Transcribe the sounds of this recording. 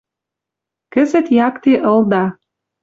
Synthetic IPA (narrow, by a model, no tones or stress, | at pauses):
kə̆zə̆t̪jɑkt̪eʔɤ̆ld̪ɑ